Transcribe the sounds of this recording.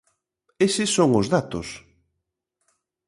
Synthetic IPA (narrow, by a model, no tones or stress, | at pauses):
esɪsːoŋʊzðat̪ʊs